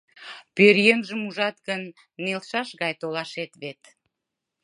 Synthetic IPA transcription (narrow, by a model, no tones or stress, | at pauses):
pøɾjeŋʒəmuʒɑt̪̚ɡənː | elʃɑʃɣɑjt̪olɑʃet̪βet̪